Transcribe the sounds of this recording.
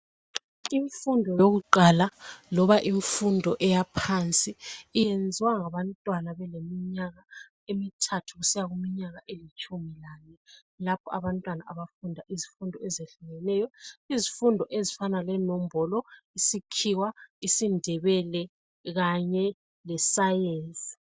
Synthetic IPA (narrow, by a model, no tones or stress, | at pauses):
iɱfundʱɔjoɣuǃalalɔβaʔiɱfundʱɔʔɛjapʰant͡sʼiːjend͡zʱiwaŋaβantʼwanaβɛlemiɲaɣa | emitʰatʰuɣusijaɣumiɲaɣaʔelit͡ʃʼumilaːnɛ | lapʰɔaβantʼwanaʔaβafundʱaʔizifundʱɔɛzeɬuɣɛnɛjɔizifundʱɔʔezifanalɛnom̩bʱɔlɔisikʰiwaisindʱɛβɛlɛ | ɣaɲɛ | lɛsajeːnt͡sʼi̥